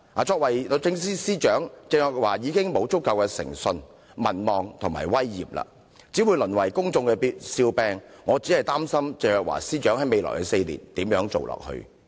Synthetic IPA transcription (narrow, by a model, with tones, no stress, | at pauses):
aː˨˩t͡sʰɔː˧k̚wɐ˨˩jt͡sɪ˧ŋsiː˥siː˥t͡ʃœː˨˥ŋt͡sɪː˧˨k̚waː˨˩jiː˨˧kɪ˥ŋmo˨˧wt͡sʊ˥k̚kːɐ˧wkɛː˧sɪ̰˨˩ŋsɵ˧n | mɐ˨˩nmɔː˨ŋt̪ʰʊ˨˩ŋma̰ː˨˩jwɐ˥jːḭː˨˩p̚la̰ː˧ | t͡siː˨˥wu˨˧jlɵ˨˩nwɐ˨˩jkʊ˥ŋt͡sʊ˧ŋkɛ˧pi˧t̚siː˧wpɛː˧ŋːŋɔː˨˧t͡si˨˥hɐ˨˩jt̪aː˥msɐ˥mt͡se˨˧jœː˨˧k̚wa̰ː˨˩siː˥t͡ʃœː˨˥ŋhɐ˨˥jme˨˧lɔ̰ː˨˩jkɛ˧se˧jlḭː˨˩nt̪iː˨˥mjœː˨˥ŋt͡so˨wlɔ̰ː˨k̚hɵ̰˧ɥ